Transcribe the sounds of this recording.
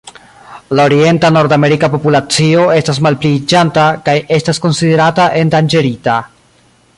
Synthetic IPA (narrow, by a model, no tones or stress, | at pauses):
laoɾie̞ntano̞ɾdame̞ɾikapo̞pulat͡sio̞e̞stas̬malplid͡ʒantakaje̞stasko̞nside̞ɾataʔe̞ndand͡ʒe̞ɾita